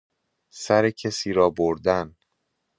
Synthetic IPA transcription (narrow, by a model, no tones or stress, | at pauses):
sæɾecʰesiːɾɒːboɾd̪æn